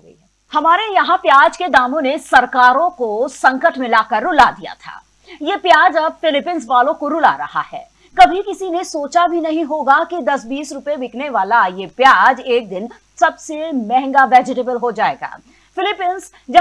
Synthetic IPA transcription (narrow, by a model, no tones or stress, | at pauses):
hɐmaːɾejɐɦãpjaːd͡ʒked̪aːmõnesɐɾkaːɾõkosɐ̃ŋkəʈmɪlaːkɐɾːʊlad̪ija̰t̪ʰa̰ː | jepjaːd͡ʒɐb̚fɪlɪpɪnsʋaːlõkoɾʊla̰ɾɐha̰ɦɛ̰ː | kɐbʱikɪsinesoːt͡ʃabʱinɐɦĩɦoːɡakid̪ɐsbiːsɾʊpebɪkneʋaːlajepjaːd͡ʒeːk̚d̪ɪn | sɐbsemɛ̃ɦŋɡaʋɛːd͡ʒɪʈ̬eːbəlɦod͡ʒaːḛːɡa̰ː | fɪlɪpɪns | d͡ʒ